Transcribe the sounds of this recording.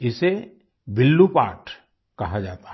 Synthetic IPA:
ɪse | bɪlːupaːʈ | kɐɦad͡ʒaːt̪ḁ

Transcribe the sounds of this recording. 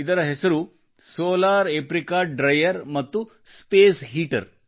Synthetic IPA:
id̪ɐɾɐɦesɐɾu | soːlaːɾepɾikaɖɾɐjɐɾmɐt̪ːu | speːsɦiːʈɐ̰ɾ

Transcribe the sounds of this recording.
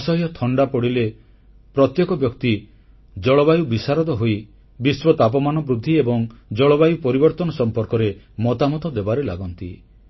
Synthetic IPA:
sɔɦjɔt̪ʰɔɳɖapɔɽile | pɾɔt̪jɔkɔbjɔkt̪i | d͡ʒɔɭɔbajubisaɾɔt̪ɔɦoi | biswɔt̪ap̬ɔmanɔbɾud̪ʱːiebɔŋd͡ʒɔɭɔbajupɔɾibɔɾt̪ɔnɔsɔmpɔɾkɔɾe | mɔt̪amɔt̪ɔd̪ebaɾelaɡɔnt̪i

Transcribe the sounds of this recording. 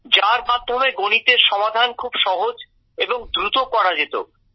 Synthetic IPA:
d͡ʑaɾmaɾd̪ʰʱomeɡoñit̪eɾʃɔmad̪ʱankʰubʃɔɦod͡ʑ | eboŋd̪ɾut̪okɔɽad͡ʑet̪o̰

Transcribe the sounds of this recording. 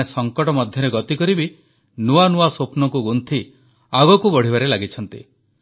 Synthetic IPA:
esɔŋkɔʈɔmɔd̪ʱjɔɾeɡɔt̪ikɔɾibi | nuanuasopnɔkuɡunt̪ʰi | aɡɔkubɔɽ̤ibaɾelaɡit͡ʃʰɔnt̪i

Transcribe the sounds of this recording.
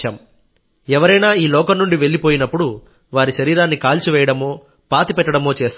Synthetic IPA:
aːm | ɛʋɐɾɐjnaːiːlɔːkɐnnuɳɖiʋe̞ɭːipoːjinɐpːuɽu | ʋaːɾiʃɐɾiːɾaːnːikaːlt͡ʃiʋɛːjɐɽɐmo̞ː | paːt̪ipɛʈːɐɽɐmo̞ːt͡ʃeːst̪ː

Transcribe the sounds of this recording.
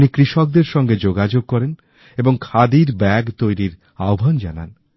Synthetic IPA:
nikɾiʃɔk̚d̪eɾʃɔŋɡed͡ʑoɡad͡ʑoɡ̚kɔɾen | eboŋkʰad̪iɾbɛɡt̪ojɾiɾ | aobʱand͡ʑa̰na̰n

